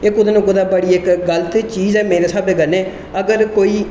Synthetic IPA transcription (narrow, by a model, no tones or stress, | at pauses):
ɪkʊd̪enõɡʊd̪aːbəɽiːɪkɡələt̪t͡ʃiːzɛːmeːɾeːsaːbeːɡəneː | əɡəɾkoːiː